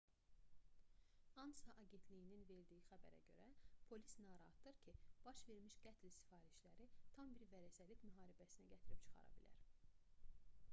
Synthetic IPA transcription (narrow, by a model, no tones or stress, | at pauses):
ɑnsɑʔɑɟe̞nt̪ʰlijininve̞ɾd̪ijixæbæ̰ɾæ̰ɟø̞̰ɾæpʰo̞li̥snɑːɾɑhɑ̰t̪̚d̪ɯɾcʰib̥ɑʃve̞ɾmiʃɡ̥æt̪ʰlsi̥fɑːɾiʃlæɾit̪ʰɑmbiɾvæɾæsælit̪myɦɑːɾibæsinæɟæt̪ʰiɾipt͡ʃʰɯ̥χɑ̰ɾɑ̰bḭlæ̰ɾ